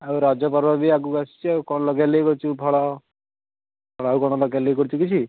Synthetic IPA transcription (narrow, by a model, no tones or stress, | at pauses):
auɾad͡ʒɔpɔɾbʱabiak̬uɡasi̥t͡ʃʰiaukɔɽ̃ɔlɔɡalejkɔɾit͡ʃʰubʰʱɔɭɔ | pʰɔɭɔawkɔɽ̃ɔlɔɡjalejkɔɾit͡ʃʰukit͡ʃʰi